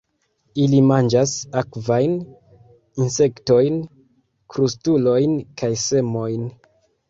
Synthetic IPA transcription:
ilimand͡ʒasakvajn | inse̞kto̞jn | kɾustulo̞jnkajse̞mo̞jn

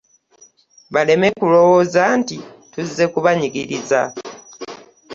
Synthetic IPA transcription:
βale̞me̞kulo̞woːzaːntituzze̞kuβaɲiɡiɾiza̰

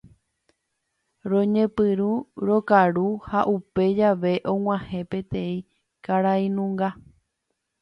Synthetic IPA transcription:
ɾõɲẽ̞pɨɾuɾokaɾuhaʔupe̞d͡ʒaʋe̞ʔõ̞w̃ãhẽ̞pe̞t̪ẽ̞ĩ | kaɾaĩnũŋɡa

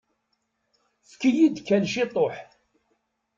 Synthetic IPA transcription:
θkijid̪kːænʃit̪ˤoħ

